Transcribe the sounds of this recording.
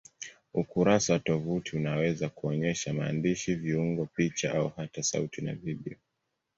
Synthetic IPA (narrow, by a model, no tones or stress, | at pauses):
ukuɾasawatɔvutʰiunawɛzakuɔɲɛʃamaːndiʃiviuŋɡɔpit͡ʃaʔauhatasa̰utina̰viɓḭɔ